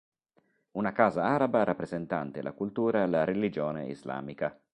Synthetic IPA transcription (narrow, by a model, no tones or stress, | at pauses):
unakaːzaaːɾabaɾapːɾezent̪ant̪elʔa̰kult̪uːɾaelaɾelid͡ʒɔːnḛḭzla̰ːmika